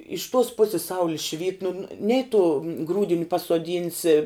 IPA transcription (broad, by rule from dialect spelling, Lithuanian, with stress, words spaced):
ɪʃ tuɔs ˈpʊsʲɪs ˈsɐʊlʲɪ ʃʲʋʲiːt nʊ ˈnʲɛɪ tʊ ˈɡruːdʲɪnʲɪ pɐsuɔˈdʲiːnʲsʲɪ